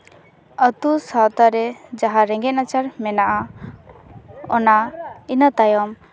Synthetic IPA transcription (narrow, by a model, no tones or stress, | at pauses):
ət̪usawt̪aɾɛd͡ʒaɦaɾɛ̃ŋɡɛt̪̚ˀnat͡ʃaɾmɛnaʔa | ɔnainət̪ajɔm